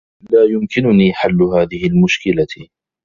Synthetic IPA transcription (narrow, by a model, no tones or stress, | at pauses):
laːjʊmkɪnʊniːħalːʊɦaːðɪhɪlmʊʃkɪla